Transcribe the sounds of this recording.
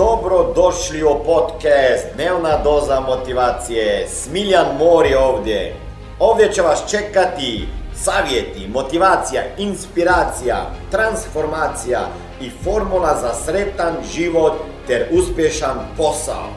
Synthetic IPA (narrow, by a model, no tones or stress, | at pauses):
d̪obɾod̪oʃliɔpot̪kɛst̪d̪nelnad̪ozamot̪iʋaːt̪sijɛsmilanmoːɾioːʋd̪jɛ | oːvd̪jɛt͡ʃɛʋast͡ʃɛkat̪isaːʋjet̪imot̪iʋaːt̪sijainspiɾaːt̪sija̰t̪ɾansfoɾmaːt̪sija̰ | ifoɾmulˠazasɾɛt̪anʒiʋot̪ːɛɾuspjɛʃanposa̰o̰